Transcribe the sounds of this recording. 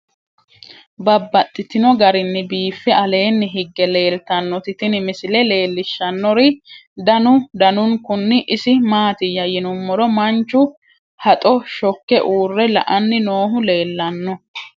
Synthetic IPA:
bɐbːɐt̪ʼːɪt̪ɪnɔɡɐɾɪnːɪbiːfːɪɐle̞ːnːɪɦɪɡːɛle̞ːlt̪ɐnːɔt̪ɪt̪ɪnɪmɪsɪlɛle̞ːlːɪʃːɐnːɔɾɪd̪ɐnʊd̪ɐnʊŋkʊnːɪʔɪsɪmaːt̪ɪjɐjɪnʊmːɔɾɔmɐnt͡ʃːʊ | hɐt̪ʼɔʃɔkːɛʔuːrːɛlɐ̰ʔɐnːɪno̞ːɦʊle̞ːlːɐnːɔ

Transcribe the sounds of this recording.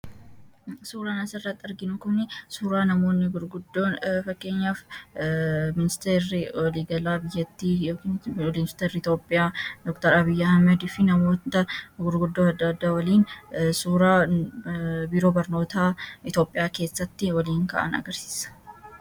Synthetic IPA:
suːɾaːnɐsɪrːɐt̪ːɐɾɡɪnʊkʊnɪsuːɾaːnɐmo̞ːnːɪɡʊɾɡʊd̪ːo̞ːnfɐkʼːe̞ːɲːaːf | mɪnɪst̪eːɾɪwɔliːɡɐlaːbɪjːɐt̪ːiːjokɪnɪst̪eːɾɪt̪o̞ːpʼːɪjaːd̪ɔkt̪ɐɾɐbɪjːɐhɐmɛd̪ɪfɪnɐmo̞ːt̪ɐɡʊɾɡʊd̪ːoɐd̪ːɐd̪ːaːwɐliːnsuːɾaː | biːɾo̞ːbɐɾno̞ːt̪aːɪt̪o̞ːpʼːɪjaːke̞ːsːɐt̪ːɪwɐliːŋkɐ̰ːʔɐ̰nɐ̰ɡɐɾsi̥ːsɐ̥

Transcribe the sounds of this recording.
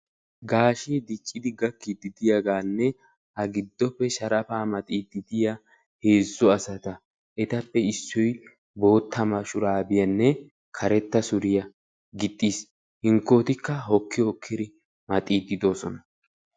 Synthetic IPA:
ɡaːʃiːd̪ɪkʼːɪd̪ɪɡɐkːɪd̪ɪd̪ɪjɐɡaːnːɛ | hɐɡɪd̪ːɔpːɛʃɐɾɐfaːmɐt̪ʼiːd̪ɪd̪ɪja | he̞ːzːɔɐsɐt̪ɐ | ʔɛt̪ɐpːɛɪsːɔj | bo̞ːt̪ːɐmɐʃʊɾaːbɪjɐnːɛ | kʰɐɾɛt̪ːɐsʊɾɪjɐ | ɡɪt̪ʼːiːs | hɪŋkːoːt̪ɪkːɐɦɔkːɪhɔkʰːɪd̪ɪ | mɐt̪ʼiːd̪ːɪd̪o̞ːsɔnɐ

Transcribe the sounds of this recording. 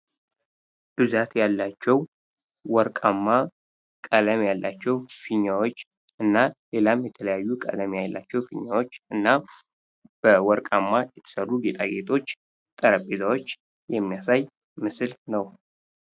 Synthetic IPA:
b̥ɨzat̪jalːat͡ʃːɛw | wɔɾkʼamːa | kʼələmjalːat͡ʃːɛwfiɲːawo̞t͡ʃː | ʔɨnːale̞lamjɛt̪ʰələjajːukʼə̰ləmjajlːat͡ʃːɛwfiɲːawo̞t͡ʃːɨnːa | b̥əwɔɾkʼamːajɛt̪ʰə̥sərːuɡe̞t̪ʰʼaɡe̞t̪ʼʰo̞t͡ʃː | t̪ʼəɾəpʼezawot͡ʃː | jɛmːijasaj | mɨslnəw

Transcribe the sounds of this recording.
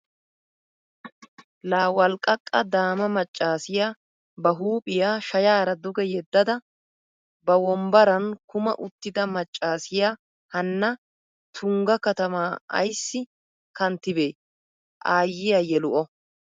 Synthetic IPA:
laːwɐlkʼːɐkʼːɐd̪aːmɐmɐt͡ʃʼːaːsɪjaː | bɐɦuːpʼɪjaːʃɐjaːɾɐd̪ʊɡɛjɛd̪ːɐd̪ɐ | bɐwɔmbɐɾɐnkʊmɐ̰ʔʊt̪ːɪd̪ɐmɐt͡ʃʼːaːsɪjaː | hɐnːɐ | t̪ʰʊŋɡɐkɐt̪ɐmaːɐ̰jsːɪ | kɐnt̪ːɪbe̞ː | ʔaːjːɪjaːjɛlʊʔɔ

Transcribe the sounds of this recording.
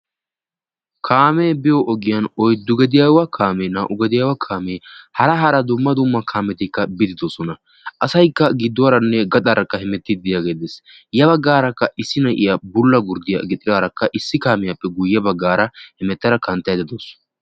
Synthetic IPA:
kʰaːmeːbɪjɔʔɔɡɪjɐnɔjd̪ʊɡɛd̪ɪjaːwɐkʰaːmeːnaːʔʊɡɐd̪ɪjaːwɐkʰaːmeːhɐɾɐɦɐɾɐd̪ʊmːɐd̪ʊmːɐkʰaːmɛt̪ɪkːɐbɪd̪ɪd̪oːsɔnɐ | ʔɐsɐjkːɐɡɪd̪ːʊwaːɾɐnːɛɡɐt̪ʼaɾɐkːɐhɛmɛt̪ːɪd̪ɪjaːɡeːd̪es | jɐβɐɡːaːɾɐkːɐʔɪsːɪnɐʔɪjɐbʊlːɐɡʊɾd̪ɪjɐ̰ɡɪt̪ʼɪd̪aːɾɐkːɐʔɪsːɪkaːmɪjɐpːɛɡʊjːɛbɐɡːaːɾɐhɛmɛt̪ːɐɾɐkɐnt̪ːɐjd̪ɪd̪oːs

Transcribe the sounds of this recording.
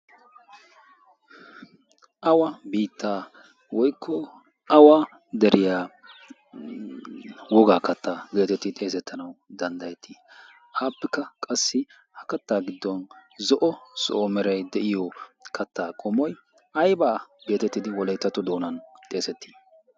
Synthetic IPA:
ʔɐwɐbiːt̪ːaː | wɔjkʰːɔ | ʔɐwaː | d̪ɛɾʔɪjaː | wɔɡaːkɐt̪ʰːaːɡe̞ːt̪ɛt̪ːɪt̪ʼe̞ːs̬ɛt̪ːɐnɐwd̪ɐnd̪ɐjɛt̪ʰːi | ʔaːpːɛkːɐkʼɐsːɪ | hɐkɐt̪ːaːɡɪd̪ːɔnzɔʔɔsoːmɛɾɐjd̪ɛʔɪjɔkʰɐt̪ːaːkʼɔmɔj | ɐjbaːɡe̞ːt̪ɛt̪ːɪd̪ɪwɔlɐjt̪ːɐt̪ːɔd̪o̞ːnɐnt̪ʼe̞ːsɛt̪ːi̥ː

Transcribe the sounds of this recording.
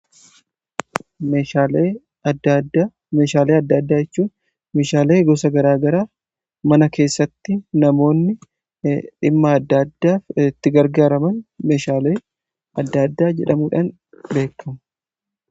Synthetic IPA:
mea | me̞ːʃaːleːɐd̪ːɐd̪ːaːɛt͡ʃːuːn | me̞ːʃaːle̞ːɡɔsɐɡɐɾaːɡɐɾaː | mɐnɐke̞ːsːɐt̪ːɪnɐmo̞ːnːɪ | ᶑɪmːɐɐd̪ːad̪ːaːfɪt̪ːɪɡɐɾɡaːɾɐmɐnme̞ːʃaːleː | ɐd̪ːɐd̪ːaːd͡ʒɛᶑɐmuːᶑaːn | be̞ːkːɐmɐ̥

